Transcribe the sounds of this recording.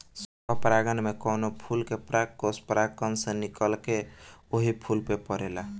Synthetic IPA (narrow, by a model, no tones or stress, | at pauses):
səbəpɾaɡənmekɔnopʰulkepɾakospɾakənsẽnikəlkeoɦipʰulpepəɾela